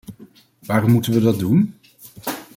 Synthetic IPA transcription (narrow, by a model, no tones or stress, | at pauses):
ʋaːrɔmːutənʋədɑdun